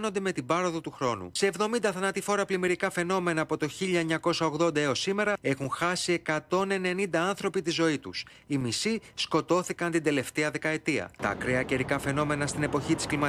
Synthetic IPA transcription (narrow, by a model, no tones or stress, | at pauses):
no̞nd̪e̞me̞t̪ibɐɾo̞ðot̪uxɾo̞nṵse̞ːvðo̞mind̪ɐθɐnɐt̪ifo̞ɾɐplimeɾikɐfe̞no̞me̞nɐːpo̞t̪o̞çiʎɐeɲɐko̞sɐoɣðo̞nd̪ɐeosime̞ɾɐe̞xunxɐsie̞kɐt̪o̞ne̞ne̞nind̪ɐɐnθɾo̞pit̪izo̞it̪ṵs | imisisko̞t̪o̞θikɐnt̪ind̪e̞le̞ft̪e̞ɐðe̞kɐe̞t̪iɐ̰t̪ɐ̰ːkɾeɐce̞ɾikɐfe̞no̞me̞nɐst̪ine̞po̞çit̪i̥sklimɐ